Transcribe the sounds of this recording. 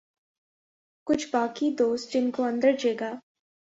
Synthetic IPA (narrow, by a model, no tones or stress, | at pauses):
kʊt͡ʃʰbaːkid̪oːst̪̚d͡ʒɪnkoɐ̃nd̪əɾd͡ʒeːɡaː